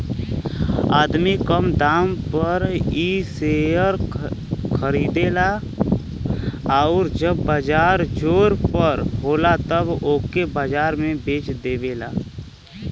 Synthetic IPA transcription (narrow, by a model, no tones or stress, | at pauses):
aːd̪mikəmd̪aːmpəɾiːseːjəɾ | kʰəɾiːd̪eːla | aʊːɾd͡ʒəbːəd͡ʒaːɾd͡ʒoːɾpəɾɦoːlat̪əboːkebad͡ʒaːɾmẽbeːt͡ʃd̪eːʋeːla̰ː